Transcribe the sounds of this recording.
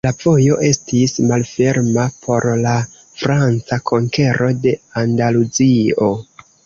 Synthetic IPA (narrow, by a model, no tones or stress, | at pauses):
lavo̞jo̞ʔe̞stismalfe̞ɾmapʰo̞ɾla | fɾant͡sakʰo̞ŋke̞ɾo̞de̞andaluzio̞